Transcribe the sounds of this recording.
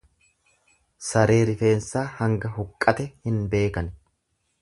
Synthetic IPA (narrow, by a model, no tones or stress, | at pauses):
sɐɾe̞ːɾɪfe̞ːnsaːhɐŋɡɐhʊkʼːɐt̪ɛhɪnbe̞ːkɐn